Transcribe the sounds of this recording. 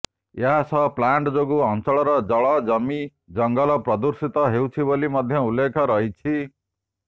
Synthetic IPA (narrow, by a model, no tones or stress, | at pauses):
jeɦasʰʌplaɳʈd͡zoɡuɦʌnt͡sɔɭɔɾʌd͡zʌɭɔd͡zʌmi | d͡zʌŋɡʌlɔprʌd̪uɾsit̪ʌɦewt͡sʰibolimʌd̪ʱjʌulːekʰɔɾʌɦit͡sʰi